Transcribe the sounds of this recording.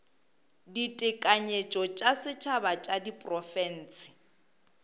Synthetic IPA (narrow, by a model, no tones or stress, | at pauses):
ditʼɪkʼaɲet͡ʃʼɔt͡ʃʼasɪt͡ʃʰabat͡ʃʼadipʼrɔfɛn̩ːsɪ̥